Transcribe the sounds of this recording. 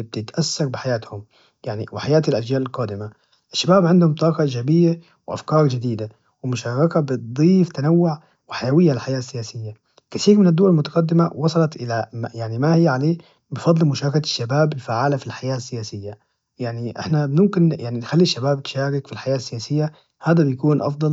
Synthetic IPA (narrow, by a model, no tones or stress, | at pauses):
b̚t̪ɪt̪ʔasːɑɾbɪħajaːt̪hʊm | jaʕnḭwɪħajaːt̪ɪlʔaʒd͡ʒaːlɪlqɑːd̪ɪma | ʔɪʃːabaːbʕɪnd̪hʊmt̪ˤɑːqɑʔɪd͡ʒaːbɪjːa | wʔa̰fkɑːɾˤʒɪd̪iːd̪a | wɪmʊʃɑːɾɑkabɪt̪̚d̪ˤiːft̪anawːʊʕ | wɪħajawɪjːaɪlħajaːsːɪjaːsɪjːa | kɪθiːɾmɪnɪd̪ːʊwalmʊt̪ḁqɑd̪ːɪmawɑsˤɑlɑt̪ʔɪlamjaʕnimahɪjːaʕaleː | bɪfɑd̪ˤːlmʊʃaːɾˤɑkaʃːabaːbɪlfaʕaːlafilħajaːsːɪjaːsɪjːa | jaʕniʔɪ̰ħnabmʊmkɪnjaʕninxalːiʃːabaːb̚t̪ʃaːɾɪkfilħajaːsːɪjaːsɪjːa | haːd̪abjakuːnʔɑ̰fd̪ˤɑl